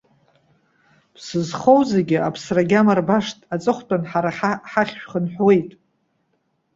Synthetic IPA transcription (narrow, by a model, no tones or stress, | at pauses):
pʰsɨzχowzeɡʲɪapʰsraɡʲamarbaʂtʼat͡sʼɨχʷtʼanħaɾaħħaχʲʃᶣχənħwe̞jtʼ